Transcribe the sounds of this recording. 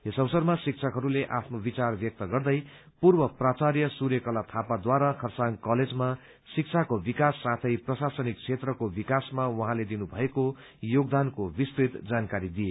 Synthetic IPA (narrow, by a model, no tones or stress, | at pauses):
ɦesʌwsʌrmasik̚t͡sʰʌkɦʌɾuleʔapʰnobit͡sarbjʌk̚t̪ʌɡʌrd̪ʌj | purbʌprat͡sarjʌsurjʌkʌlat̪ʰapad̪waɾakʰʌrsaŋkʌled͡zma | sik̚t͡sʰakobikasːat̪ʰʌjprʌsasʌnik̚t͡sʰet̪rʌkobikasmawʌɦãled̪inubʱʌeko | joɡ̚d̪ankobist̪ɾit̪d͡zankaɾid̪ije